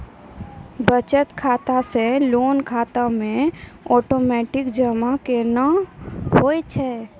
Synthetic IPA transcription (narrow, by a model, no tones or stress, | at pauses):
bət͡ʃət̪kʰaːt̪aseloːnkʰaːt̪amẽɔːʈomɛʈɪkd͡ʒəmakenaɦojt͡ʃʰɛ